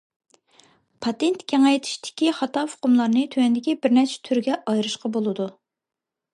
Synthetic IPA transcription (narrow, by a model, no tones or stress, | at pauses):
pʰɑt̪ent̪kʲʰeŋɛjt̪ʰi̥ʃt̪ʰɪ̥kʲiχɑt̪ɑfʊ̥qʊmlˠɑɾnɨt̪ʰøwɛnd̪ɪkʲibɪɾnɛt͡ʃʰɛ̥t̪ʰyɾɡʲɛʔɑjɾɨʃqɑbolˠɨd̪u